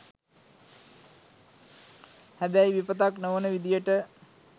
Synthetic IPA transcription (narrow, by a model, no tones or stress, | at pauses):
hæbæjʋipət̪aknoʋənəʋid̪ijəʈə